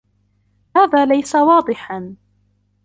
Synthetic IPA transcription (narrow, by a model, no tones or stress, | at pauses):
haːðaːlajsawɑːd̪ˤɨħan